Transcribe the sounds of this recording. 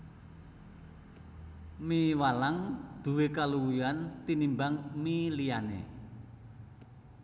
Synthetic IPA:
miwalaŋd̪̥ṳwekaluwuant̪inimbaŋmilijanḛ

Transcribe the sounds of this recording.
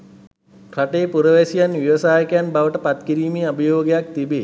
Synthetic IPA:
kʰɾaʈeːpuɾəʋesijanʋiʋəsaːjəkɐjanbaʋəʈəpat̪kiɾiːmeːabəjoːɡejak̚t̪ibeː

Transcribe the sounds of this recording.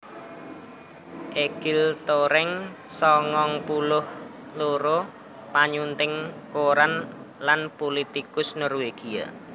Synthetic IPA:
ʔeɡ̥ɪlt̪oɾɪŋsɔŋɔŋpulʊh | loɾo | paɲunt̪ɪŋkoɾan | lanpolit̪ikʊsnɔrweɡ̥ia̰

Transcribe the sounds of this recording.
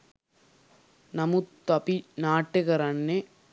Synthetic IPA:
nɐmut̪ːɐpinaːʈːɯɣɐɾɐnːe

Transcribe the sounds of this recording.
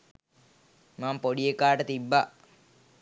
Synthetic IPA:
maːmpoɽiekaːʈət̪ibːa

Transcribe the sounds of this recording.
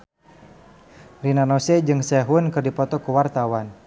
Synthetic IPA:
rinanɔsɛd͡ʒɨŋsɛɦʊnkɨrdipɔt̪ɔkəwart̪awan

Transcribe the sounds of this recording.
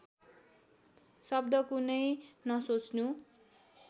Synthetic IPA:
sʌbd̪ʌkunʌjnʌsot͡snu

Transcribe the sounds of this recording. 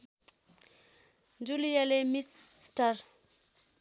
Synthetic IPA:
nd͡ʒulijalɛmistaɾ

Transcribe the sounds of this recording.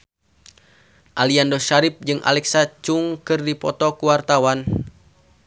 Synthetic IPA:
ʔaliandɔʃaɾip̚d͡ʒɨŋʔa̰lɛksat͡ʃuŋkɨrdipɔ̰t̪ɔkuwart̪awan

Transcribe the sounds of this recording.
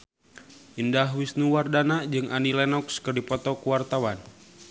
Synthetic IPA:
ʔindaɦwisnuwardanad͡ʒɨŋʔanilɛnɔkskɨrdipɔt̪ɔkuwart̪awan

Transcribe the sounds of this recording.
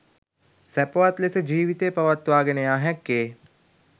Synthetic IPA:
sæpoʋat̪lesəd͡ʒiːʋit̪eːpɐʋat̪ʋaːɡenəjaːɦɛkːeː

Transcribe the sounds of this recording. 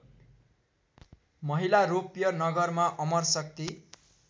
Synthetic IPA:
mʌɦilaɾopijʌnʌɡʌrmaʔʌmʌrsʌk̚t̪i

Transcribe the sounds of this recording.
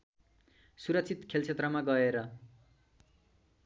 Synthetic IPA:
suɾʌk̚t͡sʰit̪kʰelt͡sʰet̪rʌmaɡʌeɾʌ

